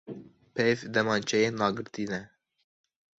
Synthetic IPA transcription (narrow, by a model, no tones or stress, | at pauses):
pʰɛjvd̪ɛmɑːnt͡ʃʰɛjeːnɑːɡɨɾt̪iːnɛ